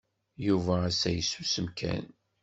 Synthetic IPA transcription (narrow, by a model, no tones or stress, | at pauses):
juvæːsæjəsːusəmkʰæ̰n